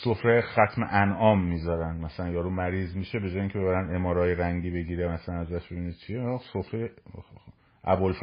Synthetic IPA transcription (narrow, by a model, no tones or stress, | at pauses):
sofɾejexæt̪ʰmḛʔænʔɒːmːizɒɾænd̪mæsælænjɒːɾuːmæɾiːzmiʃebe̞d͡ʒɒːjeiːŋkcʰeeæɾænd̪e̞mɒːɾɒːjeɾæŋɟiːbe̞ɟiːɾemæsælænæzæʃbebinid̪̚t͡ʃʰiesofɾeje | ʔæbolf